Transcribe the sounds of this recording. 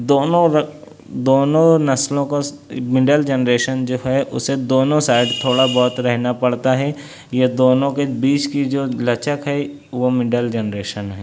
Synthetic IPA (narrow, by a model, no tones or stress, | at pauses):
d̪oːnõɾ | d̪oːnõnɐslõkomɪɖəld͡ʒənɾeːʃənd͡ʒoːɦɛʔʊ̰sed̪oːnõsaːɪɖt̪ʰoːɽabɔːt̪ɾɛɦnapɐɽt̪aɦɛ | jed̪oːnõkebiːt͡ʃkid͡ʒoːlɐt͡ʃəkɦɛ | ʋomɪɖəld͡ʒənɾeːʃənɦɛː